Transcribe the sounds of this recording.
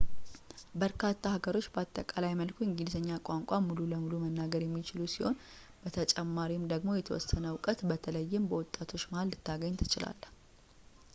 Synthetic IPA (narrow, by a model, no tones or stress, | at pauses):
bəɾkʰat̪ʰːahaɡəɾo̞t͡ʃːbəat̪ʼːəkʼalajməlkʰuɨŋɡilzəɲːakʼaŋkʷʼamːululəmulumənːaɡəɾjɛmːit͡ʃɪlusiho̞̰n | b̥ət̪ʰət͡ʃʼɛmːaɾimd̪əɡmo̞jɛt̪ʰəwɔ̰sənəwkʼət̪bət̪ʰələjːɪmbəwɔt̪ʼːat̪ʰo̞t͡ʃːmahalːɨt̪ʰːaɡəɲːt̪ʰɨ̥t͡ʃɪla̰lː